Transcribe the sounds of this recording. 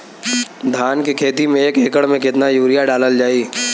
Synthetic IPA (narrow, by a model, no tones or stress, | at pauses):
d̪ʱaːnkekʰeːt̪imẽeːkeːkəɽmẽkɪt̪najuːɾɪjaɖaːləld͡ʒaːiː